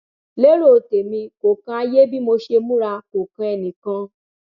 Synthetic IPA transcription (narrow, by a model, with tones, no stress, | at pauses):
le˦ɾo˦˨te˨mĩ˧ko˨kã˧a˧je˦bi˦mo˧ʃe˧mũ˦ɾa˧ko˨kã˧ɛ˧˨nĩ˨kã˧